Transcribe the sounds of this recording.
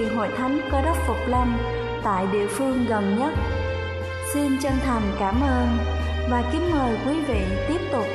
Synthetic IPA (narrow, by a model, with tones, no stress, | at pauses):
ŋɦo̰˧˨jt̪ʰa˨˦jŋkɔ˨˧˦ɗə˦˥t̚fʊ˨˩k͡p̚la˧m | t̪a̰ː˧˨jɗḭ˧˨əfɨ˧əŋɣə˨˩nɲə˦˥t̚ | si˧nt͡ɕa˧ŋt̪ʰə˨˩mkaː˧˩mʔəː˧n | vaː˨˩kï˨˦ŋ̟məː˨˩jkwi˨˦vḭ˧˨t̪i˦˥əp̚t̪ʊ˨˩k͡p̚